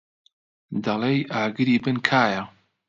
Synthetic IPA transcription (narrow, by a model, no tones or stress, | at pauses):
d̪ɐlˠejʔaːɡɨɾiːbɨnkʰaːjɐ